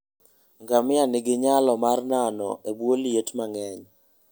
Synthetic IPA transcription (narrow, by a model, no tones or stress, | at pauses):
ŋɡamɪanɪɡɪɲalɔmarnanɔ̰ebwoljetmaŋɛɲ